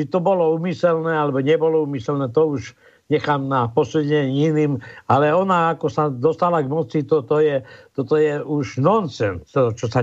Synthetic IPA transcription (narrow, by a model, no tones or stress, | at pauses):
t͡ʃit̪ɔbɔlɔuːmisɛlnɛːalɛbɔɲɛbɔlɔuːmisɛlnɛːt̪ɔuʒ | ɲɛxaːmnapɔsuɛɲinimalɛɔnaakɔsad̪ɔst̪alaɡmɔt͡sit̪ɔt̪ɔjɛt̪ɔt̪ɔjɛuʒnɔnsɛnt̪t̪ɔt͡ʃɔsa